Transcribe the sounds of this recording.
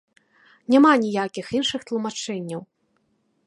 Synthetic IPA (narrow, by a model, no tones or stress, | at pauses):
nʲamanʲijakʲixinʂɨxt̪lˠumat͡ʂɛnʲːɐw